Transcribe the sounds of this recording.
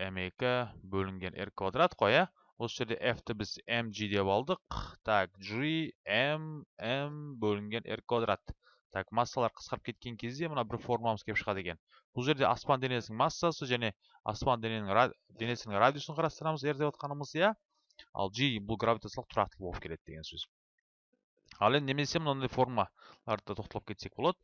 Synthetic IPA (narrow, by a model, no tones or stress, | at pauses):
eme̞kʲɪbɵlɪŋɡʲe̞nʔe̞̰rkvad̪ɾat̪qʰojɑ | wosəʒeɾd̪e̞ʔeft̪ɪbɪzemʒid̪e̞pɑlˠd̪əqt̪ʰakʒiemembɵlɪŋɡʲe̞nʔḛrkvad̪ɾat̪ʰː | ɑkmasːalˠɑɾqʰə̥sqɑɾəpkʲʰe̞t̪̚kʲe̞ŋkʲʰe̞zd̪e̞mənɑbɪɾfo̞ɾrmlˠɑməzkʲʰeɪpʃəʁɑd̪e̞kʲe̞n | b̥ʊlˠʒe̞ɾd̪e̞ʔɑspɑnd̪enesɪnɪŋmasːasəʒæne̞ | ɑ̰spɑnd̪enenɪŋ | d̪ene̞sɪnɪŋrad̪ʲijosəɴqʰɑɾɑst̪əɾɑməze̞ɾd̪ewɑt̪̚qɑnəməzjɑ | ɑ̰lˠʒijbʊlˠɡɾavʲit̪at̪səlˠəq̚t̪ʰʊɾɑqt̪əlˠboəpk̪ʲʰe̞d̪̚d̪eɡʲe̞nsɵz | ɑlˠend̪ɪneme̞semənnd̪ɑjfo̞ɾmalˠɑɾd̪d̪ɑt̪ʰo̞qt̪ɑlˠəp̚kʲʰe̞t̪se̞k̚bolˠɑd̪ə